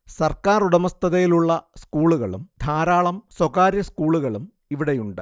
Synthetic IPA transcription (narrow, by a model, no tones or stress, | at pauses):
sɐrkaːruɽɐmɐst̪ʰɐðɐjiluɭːɐskuːɭuɣɐɭṵmd̪ʱaːɾaːɭɐmswoɣaːɾjɐskuːɭuɣɐɭum | iʋiɽejuɳɖɨ